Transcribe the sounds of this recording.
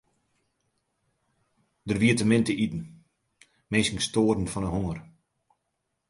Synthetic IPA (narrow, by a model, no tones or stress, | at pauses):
dərʋiətəmɪntəʔitn̩ | mensəŋstoːədn̩fɔnəhoŋər